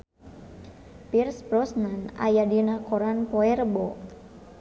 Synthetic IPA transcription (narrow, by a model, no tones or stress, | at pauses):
pirspɾɔsnana̰jadinakɔɾanpɔɛrəbɔ